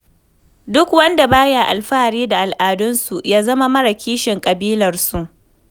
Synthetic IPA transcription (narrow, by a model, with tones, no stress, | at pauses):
dʊ˦kwɐ˦nda˨baː˦ja˨ʔa̰˨lɸaː˦˨ɽiː˦da˨ʔa˨lʔaː˨dʊ˦nsu˨ʔjaː˦zɐ˦ma˦mɐ˦ɽa˨kʲiː˦ʃɪ˨ŋkʼɐ˨biː˦lɐ˨rsu˨ʔ